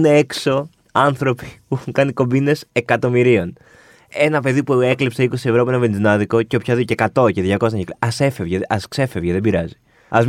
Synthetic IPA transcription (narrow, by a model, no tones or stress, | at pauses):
neekso̞ | ɐnθɾo̞pi̥puxŋkɐniko̞mbine̞se̞kɐt̪o̞miɾio̞n | e̞nɐpe̞ðipue̞klipseiko̞sie̞vɾopuenɐvenzinɐðiko̞ceopçoðiocekɐt̪o̞ceðʝɐkosɐçekɐse̞fevʝeʔɐskse̞fe̞vʝeðebiɾɐ̰zi̥ | ɐz